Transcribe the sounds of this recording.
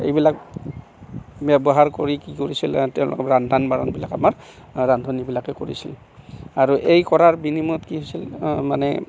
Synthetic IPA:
ḛjbilak̚ | bɛbɔɦaɹkoɹikikoɹisiltɛʊ̃lʊ̰kɛɹandʱanbaɹɔnbilakamaɹ | ɹandʱonibilakɛkoɹḭsil | aɹuʔejkɔɹaɹbinimɔtkiɦojsilmanɛ

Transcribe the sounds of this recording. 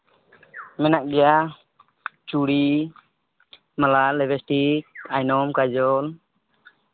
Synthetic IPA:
mɛnaʔɡɛja | t͡ʃuɽi | malalɛbʱɛsʈikajnɔmkad͡ʒɔl

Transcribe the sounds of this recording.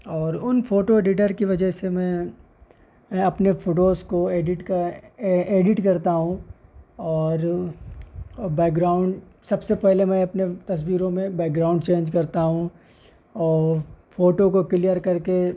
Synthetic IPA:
ɔːɾʊnfʰoːʈoeːɖɪʈ̬əɾkiʋɐd͡ʒəɦsemɛ̃ | mɛ̃ɐpnefoːʈoːzkoeːɖɪʈk | eːɖɪʈkɐɾt̪aɦũ | ɔːɾ | bɛːk̚ɡɾaːʊ̃ɳɖ | sɐbsepɛɦlemɛ̃ɐpnet̪ɐs̬wiːɾõmẽbɛːk̚ɡɾaːʊ̃ɳɖt͡ʃẽːɲd͡ʒkɐɾt̪aɦũ | ɔːɾfoːʈokokɪlijəɾkɐɾke

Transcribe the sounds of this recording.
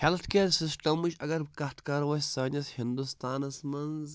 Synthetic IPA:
helt̪ʰkeːɾsisʈɐmuʃɐɡɐɾkɐht̪kaɾwɐsʲsaːnʲɐshind̪ust̪aːnɐsmɐnz

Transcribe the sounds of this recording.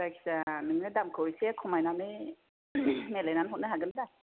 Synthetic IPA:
ɾajkʰsanɯŋnɯdamkʰɯisekʰɔmajnanɯ | nelajnanɦɔt̚nɯɦaɡɯnɯda

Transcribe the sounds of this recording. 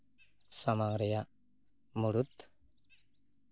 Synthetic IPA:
samaŋɾɛjaʔ | muɽut̪

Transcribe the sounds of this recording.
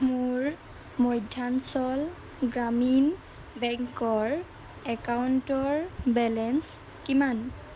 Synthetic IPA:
muɹ | mɔjdʱansɔl | ɡɹamin | bɛŋkɔɹ | ɛkawntɔɹbɛlɛns | kiman

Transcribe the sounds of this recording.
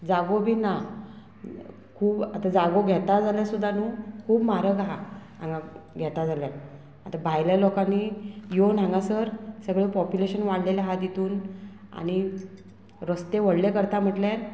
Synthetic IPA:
d͡zaɡobʱiːna | kʰuːbat̪ad͡zaɡoɡʱɛt̪ad͡zaljasud̪ʱːanuːkʰuːbmaɾəɡɦa | ãŋɡaɡʱɛt̪ad͡zalja | at̪abʱajlalɔkanːijon̤ãŋɡasəɾsəɡɭepɔpjuleɕənʋaɽleljaɦat̪jet̪uːna̰ɽ̃i | ɾəst̪eʋ̤əɽlekəɾt̪am̤əʈljaɾ

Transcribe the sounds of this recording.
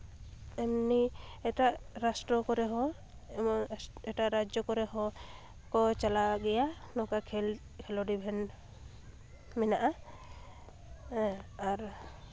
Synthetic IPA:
ɛmniɛʈaʔɾasʈɾɔkɔɾɛɦɔ̃ | mɔɛʈaɾad͡ʒjɔkɔɾɛɦɔ̃ | kɔt͡ʃalaɡɛjanɔkakʰɛl | kʰɛlɔɖibʱɛn | mɛnaʔa | aɾ

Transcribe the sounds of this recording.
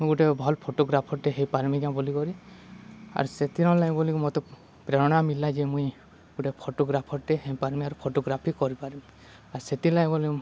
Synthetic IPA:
mũjɡuʈebʱɔlpʰoʈoɡɾapʰɔɾʈeɦejpaɾmikãbɔlikɔɾi | a̰ɾset̪iɾɔ̃laj̃bɔlikumɔt̪ɔ | pɾeɾɔɽ̃amilad͡ʒemũj | ɡuʈepʰoʈoɡɾapʰɔɾʈeɦepaɾmiaɾupʰoʈoɡɾapʰikɔɾipaɾim | aɾset̪ilaj̃bɔli

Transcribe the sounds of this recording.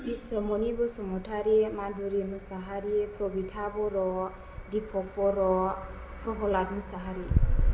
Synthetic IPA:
bisɔmɔnibɔsɔmɔtʰaɾiɛmaduɾimɯsaɦaɾiɛpʰɾɔbitʰabɔɾɔ | dipʰɔk̚bɔɾɔ | pʰɾɔɦɔlatmɯsaɦaɾi

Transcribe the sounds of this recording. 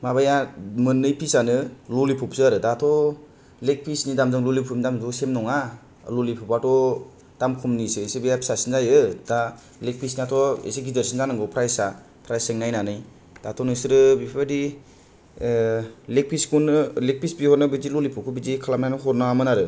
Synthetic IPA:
mabajamɯnːɯjpʰisanɯlolipʰupsɯaɾɯdatʰɔ | lek̚pʰisnidamzɯŋlolipʰumidamzɔsemnɔŋa | lolipʰupatɔ | d̥amkʰumnisɯesebejapʰi̥sasinzajɯd̥a | lek̚pʰisniatʰɔḛseɡizeɾsinzanɯŋɡɔpʰɾajsa | pʰɾajseŋnajnanɯj | d̥atʰɔnɯjsɯɾɯbipʰbadi | lek̚pʰiskunɯlek̚pʰisbihɔɾnɯbid͡ʒilolipʰup̚kʰɯbid͡ʒikʰalam̚najnɯɦɔɾnɯamɯnaɾɯ

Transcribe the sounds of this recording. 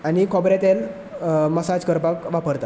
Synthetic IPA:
anikʰɔbɾet̪el | məsad͡zkəɾpakʋapəɾt̪a

